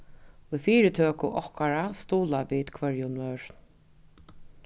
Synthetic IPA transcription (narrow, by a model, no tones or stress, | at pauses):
ujfiːɾɪt̪ʰøːkʊʔɔhkaɹast̪uːlaviːt̪kʰvœɹjʊnœːɹ